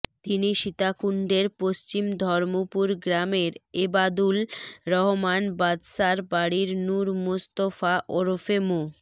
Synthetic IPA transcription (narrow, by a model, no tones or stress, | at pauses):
t̪iniʃit̪akuɳɖeɾpost͡ɕimd̪ʱɔɾmopuɾɡɾameɾebad̪ulɾɔɦomanbad̪saɾbaɽiɾnuɾmost̪ofaʔoɾofemo